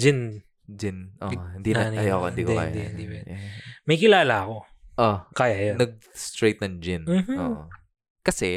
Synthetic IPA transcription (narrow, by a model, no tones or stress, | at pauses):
d͡ʒɪn | d͡ʒɪnʔohɪnd̪inɐnɐjokɪnd̪iːkoka̰ja̰d̪iɪnd̪ibɐmɐjkɪlaːlaɐko̞ | ʔokaːjajonɐɡ̚ | st̪ɹɛjt̪̚nɐŋd͡ʒɪnm̩ːm̩ʔoːʔo | kɐsɛ